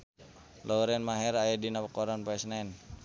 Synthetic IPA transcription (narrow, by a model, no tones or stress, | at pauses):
lɔuɾɛnmaɦɛɾajadinapakɔɾanpaɛsnaɛn